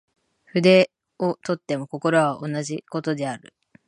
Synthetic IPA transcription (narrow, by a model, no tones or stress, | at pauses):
ɸɯ̟d̪e̞ | ot̪o̞t̪ːe̞mo̞ko̞ko̞ɾoβaʔo̞naʑiko̞t̪o̞d̪e̞aɾɯ̟